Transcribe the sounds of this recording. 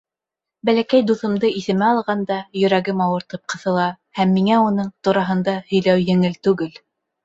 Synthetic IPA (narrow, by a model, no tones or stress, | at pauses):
bælækæjd̪uθɤ̆md̪ɤiθɘ̆mɘɑlˠʁɑnd̪ɑjɵ̆ɾæɡɘmɑwɤ̆ɾt̪ɤp̚qɤ̆θɤ̆lˠɑ | hæmːiŋæunɤɴt̪uɾɑɦɤ̆nd̪ɑhɵ̆jlæwjɘ̆ŋɘlt̪ʉɡɘl